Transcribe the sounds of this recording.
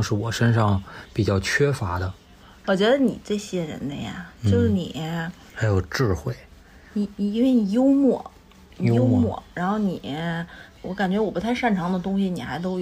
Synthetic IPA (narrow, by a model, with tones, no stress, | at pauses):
ŋʂɻ̩˥˩wɔ˨˩ʂə˥nʂɑ˥˩ŋpi˨˩t͡ɕjɑ˥˩ʊt͡ɕʰɥɛ˥fa˧˥d̪ə˧ | wɔ˨˩t͡ɕɥɛ˧˥d̪ə˧nḭ˨˩ʈ͡ʂɤ˥˩ɕjɛ˥ɻə̰˧˥nd̪ə̰˧ja̰˩t͡ɕjo˥˧ʊʂɻ̩˥˩nḭ˨˩ | xa˧˥ɪjo˨˩ʊʈ͡ʂɻ̩˥˧xwe˥˩ɪ | ni˧˩˧nwe˥˩ɪni˨˩jo˥ʊmwɔ˥˩˨ | o˥ʊmwɔ̰˨˥˩ɻa˧˥nxo˥˧ʊni˨˩ | wɔ˧˥ka˨˩nt͡ɕɥɛ˧˥wɔ˨˩pu˧˥t̪ʰa˥˧ɪʂa˥˩nʈ͡ʂʰɑ˧˥ŋd̪ə˧t̪ʊ˥ŋɕ̬i˨ni˨˩xa̰˧˥ɪt̪̬o˥ʊj